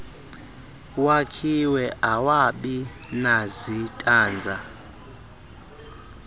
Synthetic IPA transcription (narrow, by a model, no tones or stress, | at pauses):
wakʰiwɛʔawaɓinazitʼaːnd͡zʱa